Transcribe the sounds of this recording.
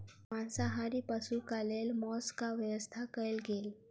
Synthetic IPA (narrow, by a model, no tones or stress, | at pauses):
mansaɦaɾiːpəsukalelmɔskaʋjəʋəst̪ʰakəjlɡel